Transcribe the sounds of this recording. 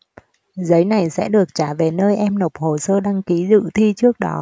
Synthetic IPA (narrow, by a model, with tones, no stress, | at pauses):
zə˨˦jna˨˩jsɛ̰˧˥ɗɨ˨˩ək̚t͡ɕaː˧˩ve˨˩nəː˧jʔɛ˧mno˨˩wk͡p̚ho˨˩səː˧ɗa˧ŋki˨˦zɨ̰˧˨t̪ʰi˧t͡ɕɨ˦˥ək̚ɗɔ̰˨˦